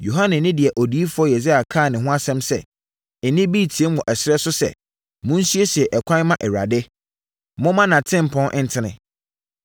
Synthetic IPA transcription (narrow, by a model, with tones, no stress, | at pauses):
jo˨ɦã˦nɪ̃˨nɪ̃˦dɪ˨ɛ˨ʔɔ˨di˨˦i˦fʊ˦ɔ˦jɛ˨zɪ˦a˨kʰaː˦˨nɪ̃˨ɦʊ̃˦a˦sɛ̃˦msɛ̰˨ | nɪ̃˦bi˦˨tʰi˨e˦mʊ̃˨ʔɛ˨sɪ˦ɛ˦sʊ˦sɛ̰˨ | mʊ̃˦n̩˦su˦e˦si˨ɛ˨ʔɛ˨kʷʰã˦mã˦ʔɛ˨ɾa̰˨dɪ˦ | mʊ̃˦mã˦nã˨tʰɪ̃˦m̩˨pʰɔ̃˦nʔɪ̃˦n̩˦tʰɪ˨nɪ̰̃˨